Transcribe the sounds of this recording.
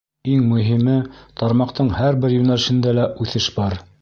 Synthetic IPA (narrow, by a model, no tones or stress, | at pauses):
iŋmɵ̆ɦimɘt̪ɑɾmɑqt̪ɤɴhæɾbɘɾjʉnælɘ̆ʃɘ̆nd̪ælæʔʉθɘʃbɑɾ